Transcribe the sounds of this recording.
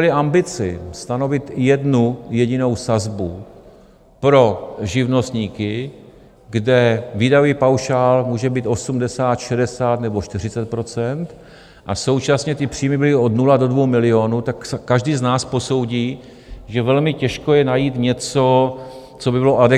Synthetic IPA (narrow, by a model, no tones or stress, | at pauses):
ɛlɪʔambɪt͡sɪ̰st̪ano̞vɪt̪jɛdnujɛɟɪno̞wsazbu | pɾo̞ʒɪvno̞st̪ɲiːkɪ | ɡdɛviːdaviːpawʃaːlmuːʒɛbiːt̪ʔo̞sumdɛsaːt̪ʃɛdɛsaːt̪nɛbo̞ʃt̪ɪr̝ɪt͡sɛt̪̚pɾo̞t͡sɛnt̪ | ʔaso̞wt͡ʃasɲɛt̪ɪpr̝̥iːmɪbɪlɪo̞d̪nulado̞dvowmɪlɪo̞nut̪aksːaʒdiːznaːspo̞so̞wɟiː | ʒɛvɛlmɪcɛʃkojɛnajiːt̪ɲɛt͡so̞ | t͡sobɪbɪloʔadɛ